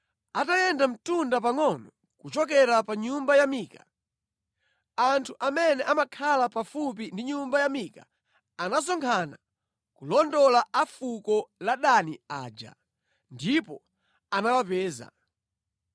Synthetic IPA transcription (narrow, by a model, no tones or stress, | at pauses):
atajɛndam̩tundap̬aŋɔnɔ | kut͡ʃɔk̬ɛɾapaɲumbajamiːka | antʰuʔamɛnɛʔamakʰalapafup̬indiɲumbajamiːka | anas̬ɔŋkʰana | kulɔndɔlaafukɔlaɗania̰ːd͡ʒa̰ | ndipɔ | anawapɛːza̰